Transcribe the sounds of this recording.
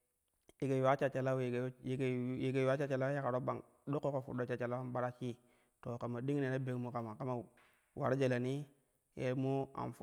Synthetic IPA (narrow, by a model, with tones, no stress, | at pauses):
ji˨ɡe˨a˦t͡ʃa˨t͡ʃa˨la˦˨˦ɡji˨ɡe˨wa˦t͡ʃa˦t͡ʃa˨la˦ja˦ka˨ɾo˦ba˨ŋ | ɗo˦kːo˦ko˨fṵ˨ɗo˦t͡ʃa˨t͡ʃa˨la˦a˦ɓa˦ɾa˦t͡ʃi˦ | to˨ka˨ma˨di˦ŋ˦ne˨na˦be˨˦kmu˨ka˨ma˨ka˦ma˨ | wʔa̰˨ɾd͡ʒe˨la˨ni˦ | jḛ˦mo˦a̰˨nfu˨